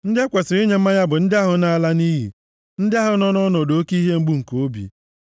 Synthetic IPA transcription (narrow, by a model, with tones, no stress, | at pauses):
n̩˦dɪ˦kʷe˨sɪ˨ɾɪ˦ɲe˨m̩˦a˦ɲa˦bʊ˨n̩˦dɪ˦a˦ɦʊ˨na˦˨la˦ni˦ɦḭ˨ | n̩˦dɪ˦a˦ɦʊ˨nɔ˦nɔ˦nɔ˨do˨o˦ki˦ɦe˦ŋ͡m̩˦ɡ͡bu˦˨ŋ̩˨ko˨˦bḭ˨